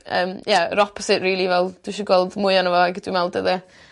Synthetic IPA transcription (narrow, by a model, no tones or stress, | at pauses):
ə̰ːmjɛɾɔpʰɔsɪtriːlˠivɛlˠd̥wiʃiɡwɔlˠdmʊɨanəvɔaɡəd̥wimɛlˠdəðə